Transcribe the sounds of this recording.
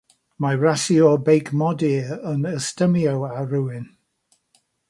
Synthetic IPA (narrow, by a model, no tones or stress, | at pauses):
majɹasiɔbejkmɔdiənəstəmiowaɾuɪn